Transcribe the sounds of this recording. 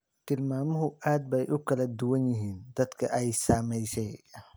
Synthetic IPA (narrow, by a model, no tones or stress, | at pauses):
t̪ɪlmaːmɔɦʊʔaːd̪̚bɛjʔʊkɐlɐd̪uwɐnjɪɦiːnd̪̥ɐd̪kʰɐ̰ʔɛjsaːmɛjsɛj